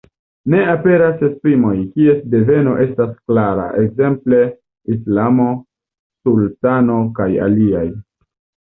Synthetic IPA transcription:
ne̞ape̞ɾase̞spɾimo̞jkie̞sde̞ve̞no̞̰ʔe̞stasklaɾa̰ʔekze̞mple̞ | islamo̞ | sultano̞kaja̰liaj

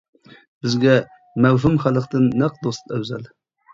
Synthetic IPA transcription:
bɪzɡʲɛ | mæwɦɪmχælˠɨqt̪ɨnːæq̚d̪ost̪æwzæl

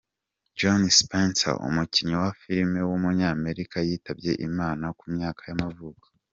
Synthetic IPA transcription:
d͡ʒonspensa̰ʔṵmuciɲiwafiɾme̞wumuɲaːme̞ɾikajiːtabɟe̞̰ʔimaːnakumɲaːkʰajamavuːkḁ

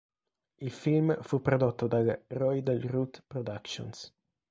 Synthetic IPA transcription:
ilfilmfupɾod̪ɔt̪ːod̪alrɔjd̪əlrut̪pɾod̪akʃo̰ns

